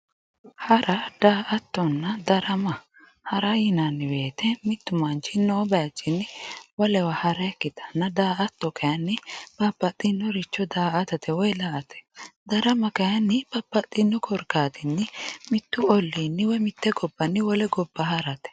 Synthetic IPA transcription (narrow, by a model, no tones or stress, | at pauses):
hɐɾɐd̪̥aːʔɐt̪ːɔnːɐd̪ɐɾɐmɐ | hɐɾɐjɪnɐnːɪbe̞ːt̪ɛmɪt̪ːʊmɐnt͡ʃːɪnoːbɐɐt͡ʃːɪnːɪwɔlɛwɐhɐɾɐɛkːɪt̪ʰɐnːɐd̪aːʔɐt̪ːɔkɐjɐnːɪpɐpːɐt̪ʼːɪnːɔɾɪt͡ʃːɔd̪aːʔɐt̪ɐt̪ɛwɔjlaʔɐt̪ɛ̥d̪ɐɾɐmɐkɐjɐnːɪb̥ɐpːɐt̪ʼːɪnːɔkʰɔɾkaːt̪ɪnːɪmɪt̪ːʊɔlːinːɪwɔmɪt̪ːɛɡɔbːɐnːɪwɔlɛɡɔbːɐhɐɾɐt̪ɛ̥